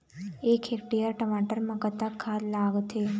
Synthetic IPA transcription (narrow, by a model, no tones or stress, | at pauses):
ekʰek̚ʈijəɾʈəmaʈəɾməkət̪akʰːallaɡt̪ʰe